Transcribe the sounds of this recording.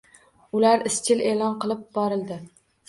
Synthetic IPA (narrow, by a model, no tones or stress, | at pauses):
ʊlaɾɪst͡ʃʲʰɪle̞lˠɒnqɨlˠɪp̚bɒɾɪlˠd̪ɪ